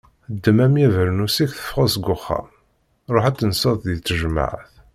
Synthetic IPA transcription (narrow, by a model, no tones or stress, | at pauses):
d̪ːəmæmjævəɾnusikθə̥fʁæsɡʊχːɑ̰m | ɾˤoħæt͡sːənsəðˤðit͡sːəʒəma̰ʕθ